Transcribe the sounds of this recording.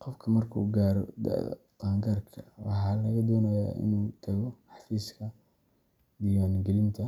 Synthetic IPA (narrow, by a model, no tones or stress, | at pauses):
qɔfkʰɐmɐrkʰṵːɡaːɾɔd̪ɐ̰ʔɐ̰t̪ɑːŋɡɐrkʰɐwɑ̰ħɑːlɐɣɐd̪ɔːnɐja̰ːʔɪ̰nuːt̪ʰɐɣɔħɑfiːskʰɐ | d̪ɪjaːnɡɛlɪnt̪ʰɐ